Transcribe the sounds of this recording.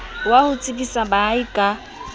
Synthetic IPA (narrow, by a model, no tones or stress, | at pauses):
wahʊt͡sʼɪkʼisabaikʼa